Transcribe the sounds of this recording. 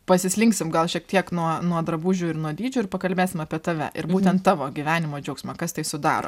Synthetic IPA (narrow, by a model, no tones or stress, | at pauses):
pɐsʲɪsʲlʲɪŋksʲɪmɡɐlˠʃʲiɛk̚t̪ʲiɛknuɔnuɔd̪ɾɐbuːʒʲuːɪɾnuɔd̪ʲiːd͡ʒʲʊːɪɾpɐkɐlʲbʲeːsʲɪmɐpʲiɛt̪ɐʋʲɛ̰ʔɪ̰ɾbuːt̪ʲɛnt̪t̪ːɑːʋoːɡʲɪʋʲæːnʲɪmoːd͡ʒʲɛʊksʲmʲɐkɐst̪ɐɪsʊd̪ɑ̰ːɾo̰ː